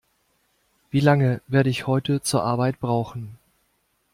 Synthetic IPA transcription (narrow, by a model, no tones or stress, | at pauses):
v̥iːlaŋəveːɐɾəɪçhɔʏtʰət͡suːɐʔaɐbaɪtb̥ʁaʊxn̩